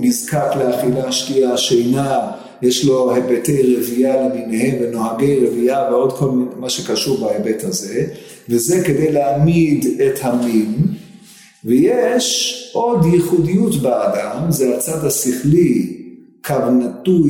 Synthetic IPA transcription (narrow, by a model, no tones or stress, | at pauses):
mizkakleaχilaʃkiaʃejna | jeʃlo̞hebetejʁevialemimehe̞mveno̞aɡe̞jʁeviaveo̞d̪kʰo̞lmaʃekaʃuʁbaebethaze̞ | vezeked̪ejleamid̪et̪hamim | vejeʃʔo̞djiχudijutbaadamzeat͡sad̪hasiχli | kʰavnatu